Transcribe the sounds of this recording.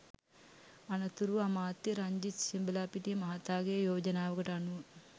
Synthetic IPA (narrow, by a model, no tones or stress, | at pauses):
ɐnɐt̪uɾuɐmaːt̪ːiɾɐɲd͡ʒit̪simbɐlaːpiʈimɐɦɐt̪aːɡejɐjoːd͡ʒɐnaːʋɐɡɐʈɐɐnu